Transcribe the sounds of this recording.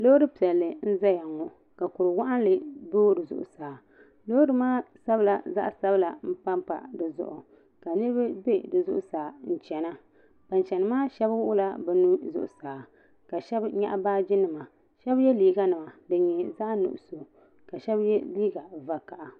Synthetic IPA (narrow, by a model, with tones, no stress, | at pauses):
lo˦dɨ˦pi˨ɛ˨lːɨ˨n̩˦za˦ja˨ŋːo˨ | ka˨kʊ˨ɾɨ˨wa˦ʔa˦nlɨ˨boː˦dɨ˨zʊ̰˦ʔʊ̰˦saː˨ | lo˦dɨ˨maː˦sa˦bla˨za̰˦ʔsa˦bla˨m̩˦pa˦mpa̰˨dɨ˨zʊ̰˦ʔʊ˨ | ka˨nɨ˦ɾbɨ˦be˦dɨ˨zʊ̰˦ʔʊ̰˦saː˨n̩˦t͡ʃɛ˨na˦ | ba˨nt͡ʃɛ˨nɨ˨maː˦ʃɛ˦bwʔʊ˦la˦bɛ˨nu˦zʊ̰˦ʔʊ˨saː˨ | ka˨ʃɛ˦bɲa̰˦ʔa˦baː˦d͡ʒɪ˦nɨ˨ma˨ | ʃɛ˦bjɛ˦liː˦ɡa˦nɨ˨ma˨dɨ˨ɲɛ˨za˦ʔnʊ̰˨ʔʊ̰˨so˨ | ka˨ʃɛ˦bjɛ˦liː˦ɡa˨va˦ka˨ʔa˨